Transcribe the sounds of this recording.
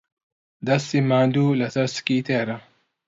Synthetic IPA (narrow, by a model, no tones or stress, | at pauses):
d̪ɐsimaːnd̪uːlɐsɐɾsɨ̥kiːt̪ʰeːɾɐ